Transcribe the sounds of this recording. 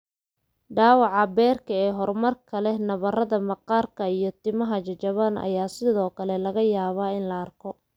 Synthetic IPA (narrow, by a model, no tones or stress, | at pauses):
ɖaːwɑʕɑbɛːrkʰɐɛːɦɔrmɐrkʰɐlɛnɐβɐrɐðɐmɑqɑːrkʰɐijɞt̪ʰɪmɐɦɐt͡ʃɐt͡ʃɐβanɐ̰jaːsɪðɔːkʰɐlɛlɐɣɐjaːβaːɪnlɐːrkʰɔ